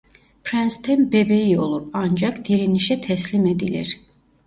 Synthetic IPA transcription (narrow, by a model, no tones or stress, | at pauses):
pɾɛnst̪ʰenbebejio̞lˠuɾɑnd͡ʒɑkd̪̥iɾiniʃɛt̪ʰɛslʲimed̪ilʲḭɾ̥